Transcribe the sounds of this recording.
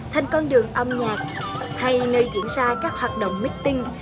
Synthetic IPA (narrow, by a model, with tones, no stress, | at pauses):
t̪ʰa˨˧jŋ̟kɔ˧nɗɨ˨˩əŋʔə˧wŋ͡mɲaː˨˩k̚ha˧jnəː˧jzḭ˧˩˥ənzaː˧kaː˦˥k̚hwaː˨˩t̚ɗə̰˧˨wŋ͡mmï˦˥k̟̚t̪ï˧ŋ